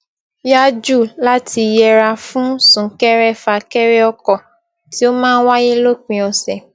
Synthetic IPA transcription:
ja˦d͡ʒu˦˨la˦tʰi˧jɛ˧ɾa˧fũ˦sũ˨˦kɛ˦ɾɛ˦fa˧kɛ˦ɾɛ˦ɔ˧kɔ˨ | ti˨˦o˦mãː˦˧˦wa˦ji˦lo˦k͡pĩ˧ɔ˧sɛ˨

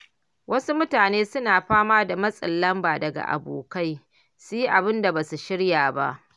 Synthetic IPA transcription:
wʔɐ˦su˦mʊ˦taː˨neː˦sʊ˦naː˨ɸaː˦maː˦da˨mɐ˦sʼɪ̰˨lːɐ˦mbaː˨dɐ˨ɡa̰˨ʔa̰˨bo̰ː˨ka˦j | si˦ʔa˨bɪ˦nda˨baː˨su˨ʃɪ˦ɽjaː˨ba̰˦ʔ

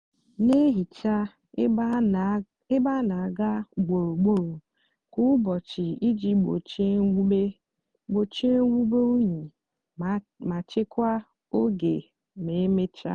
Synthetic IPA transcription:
ne˦ɦi˨t͡ʃa˦ | ɪ˦ba˦na˨a˨ɡa˦ɡ͡bo˨ɾo˨ɡ͡bo˦ɾo˨ | kʊ˦bɔ˨t͡ʃɪ˨i˦d͡ʒi˦ɡ͡bo̰˨t͡ʃe˦be˦ | ɡ͡bo˨t͡ʃi˦e˦wu˦be˦u˦ɲi˨ | ma˨t͡ʃɪ˦kʷa˦ | o˦ɡe˨ | me˨˦me˦t͡ʃa̰˦

